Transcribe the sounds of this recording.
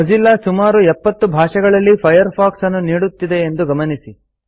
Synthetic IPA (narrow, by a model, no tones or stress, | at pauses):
ɐd͡ʒilːasumaːɾuɛpːɐt̪ːubʱaːʂɐɡɐɭɐlːipʰɐjɐɾpʰaːksɐnːuniːɽut̪ːid̪e̞ːnd̪uɡɐmɐnisi